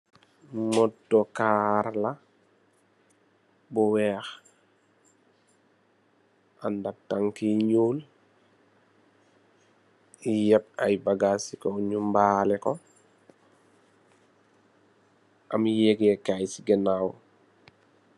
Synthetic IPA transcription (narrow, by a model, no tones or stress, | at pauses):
mɔdɔkaːɾla | buwɛːx | andak̚taŋkiɲuːl | ijɛp̚ajbaɡasikɔɲumbaːlɛkɔ | ʔa̰mjeɡjɛkajsiɡɛnaw